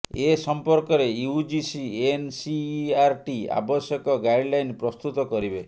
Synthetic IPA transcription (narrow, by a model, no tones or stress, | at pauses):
esɔmpɔɾkɔɾeiud͡ʒisiensiaɾʈia̰bɔsjɔkɔɡajɖlajnpɾɔst̪ut̪ɔkɔɾibe